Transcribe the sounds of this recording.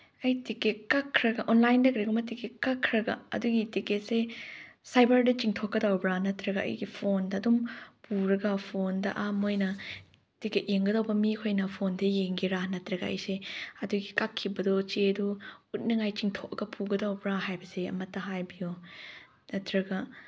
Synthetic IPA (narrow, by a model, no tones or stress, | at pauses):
ɐjtikekakʰːɾɐɡɐʔɔnlajndɐkɾɐɡɐmɐtikekakʰːɾɐɡɐ̰ɐ̰duɡitiket̚sesajbɐɾdɐt͡ʃiŋtʰokːɐdawbɾanɐtɾɐɡɐʔɐ̰jɡipʰondɐːdɔmpuɾɐɡɐpʰondɐ̰ʔamojnɐ | tiket̚jeŋɡɐdawbɐmikʰojnɐpʰondejeŋɡiɾanɐtɾɐɡɐɐ̰jseɐduɡikakʰːibɐdɔt͡ʃeduut̚nɐŋajt͡ʃiŋtʰokɐɡɐpʰuɡɐdawbɾaɦajbɐseɐ̰mɐtːɐɦajbijo | nɐtɾɐɡɐ